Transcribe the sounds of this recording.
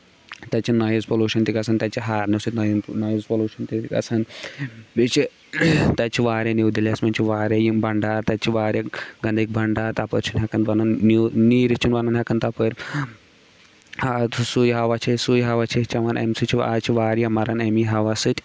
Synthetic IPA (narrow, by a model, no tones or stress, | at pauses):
t̪ɐt͡ʃʰinɐjizpɐluːʃɐnt̪iɡɐsɐnt̪ɐt͡ʃiɦaːɾnisɨt̪nɐjnɐjizpɐluːʃɐnt̪ikɐ̰sɐnbit͡ʃi | t̪ɐt͡ʃʰiʋaːɾjɐniwd̪ilɐsmɐnt͡ʃʰiʋaːɾʲjɐjimbɐɳɖaːɾt̪ɐt͡ʃʰiʋaːɾjaɡɐnd̪ɐk̚bʱɐɳɖaːɾt̪ɐpəɾt͡ʃʰinɦʲɐkɐnʋɐnɐnːniːɾit͡ʃʰunʋɐnɐnɦɐkɐnt̪ɐpəɾʲ | hat̪ʰusujɦɐʋɐt͡ʃʰisujɦɐʋɐt͡ʃʰit͡ʃɐʋɐnʔḛmsɨt͡ʃʰiʋa̰ːt͡ʃʰiʋaːɾjamɐɾɐnɐmiɦɐʋɐsɨt̪ʲ